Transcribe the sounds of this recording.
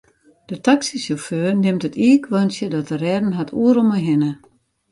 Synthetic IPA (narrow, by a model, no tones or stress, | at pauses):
d̥ətʰaksisɔføːrnɪmtətʰiəkʰʋɔnsjədɔtərɛːdən̩ɦatʰuəɾoməɦɪnə